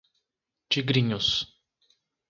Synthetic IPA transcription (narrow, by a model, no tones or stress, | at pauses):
t͡ʃʲɪɡɾʲɪnʲʊs